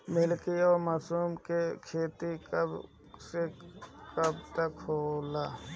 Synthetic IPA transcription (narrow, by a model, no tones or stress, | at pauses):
mɪlkiɔːmaːsuːmkekʰeːt̪ikəb | sekɐb̚t̪ɐkhoːlaː